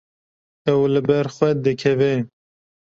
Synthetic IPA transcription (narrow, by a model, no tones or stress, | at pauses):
ɛwlɨbɛɾxwɛd̪ɨkʰɛvɛ